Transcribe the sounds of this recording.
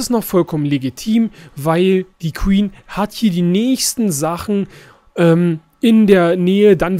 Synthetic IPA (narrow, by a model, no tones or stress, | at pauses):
ɪstnɔχfɔlkʰɔmənleɡitʰiːmvaɪld̥iːkʰwiːnhathiːɐdiːnɛːçstn̩zaχn̩ | ʔɛːm | ʔɪndeːɐnɛːədan